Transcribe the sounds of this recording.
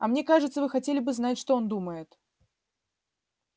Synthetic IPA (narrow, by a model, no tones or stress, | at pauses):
ɐmnʲɛkaʐɨt̪səvɨxatʲelʲɪbɨznatʲʂt̪oond̪uməjɪt̪